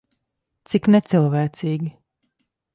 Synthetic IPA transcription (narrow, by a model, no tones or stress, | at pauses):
t̪siknɛt̪sɛlˠvæːt̪siːɡʲi